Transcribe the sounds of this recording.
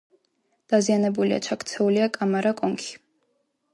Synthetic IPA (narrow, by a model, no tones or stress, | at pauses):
d̪̥azianɛbulia̰t͡ʃʰakʰt̪sʰɛuliakʼamaɾakʼɔŋkʰi̥